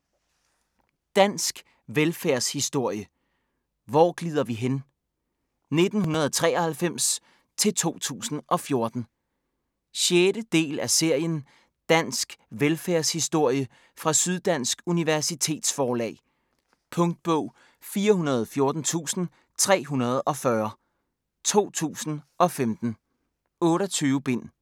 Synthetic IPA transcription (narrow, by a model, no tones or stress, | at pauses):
d̥æn̰sɡ̥ | ʋelfæɐshisd̥o̝ɐ̰jə | ʋɒːɡ̥lið̞̰ˠɐʋiɦen | ne̝d̥n̩ɦunɐð̞ˠɒt͡sʰʁɛ̰ːɒhælfem̰s | t͡sʰe̝lt͡sʰo̝̰ːt͡sʰṵːsn̩ʔɒ̽fjo̝ɐd̥n̩ | ɕjeːɾ̥əd̥e̝̰ːlæse̝ɐ̰jən | d̥æn̰sɡ̥ʋelfæɐshisd̥o̝ɐ̰jə | fʁɑ̈syð̞ˠd̥æn̰sɡ̥uniʋæɐsit͡sʰe̝̰ːd̥sfɒːlɛ̰ː | pʰɔ̽ŋd̥̚b̥ɔ̰ʊ̰ | fiːɐɦunɐð̞ˠfjo̝ɐd̥n̩t͡sʰṵːsn̩ | t͡sʰʁɛ̰ːɦunɐð̞̩ˠɒ̽fɶɐ | t͡sʰo̝̰ːt͡sʰṵːsn̩ʔɒ̽femd̥n̩ | ɔ̽ːɾɒt͡sʰyːʊəb̥e̝n̰